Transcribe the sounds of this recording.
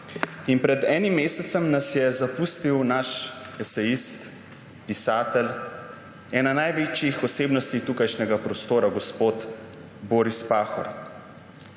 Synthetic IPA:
inpɾɛd̪ɛːnimːeːsɛt̪sɛmnasjɛzapuːst̪iwnaʃɛsɛjist̪ | pisaːt̪ɛl | ɛːnanajʋeːt͡ʃjixɔseːbnɔst̪it̪uːkajʃnɛɡapɾɔst̪oːɾaɡɔspoːt̪ | boːɾispaːxɔ̰ɾ

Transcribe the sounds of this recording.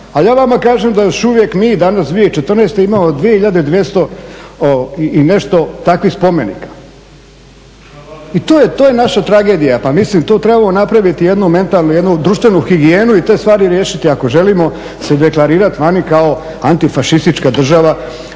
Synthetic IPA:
ajaːʋamakaːʒemd̪ajoʃuʋje̞kmiːd̪anasd̪ʋiet͡ʃet̪rneːst̪eimaːmod̪ʋije̞hiʎad̪eid̪ʋje̞st̪o̞ | iine̞ʃt̪o̞t̪akʋixspo̞me̞nḭkḁ | it̪oːjet̪oːjenaʃat̪ɾaɡe̞ːd̪ijapamislimt̪o̞ːt̪ɾe̞bamo̞napɾaʋit̪ijed̪nume̞nt̪alnujed̪nud̪ɾuːʃt̪ʋe̞nuxiɡieːnuit̪e̞ːst̪ʋaːɾiɾje̞ːʃit̪iako̞ʒe̞limo̞ | sed̪eklˠaɾiːɾat̪iʋanikao | ant̪ifaʃist̪it͡ʃkad̪r̩ʒaʋa

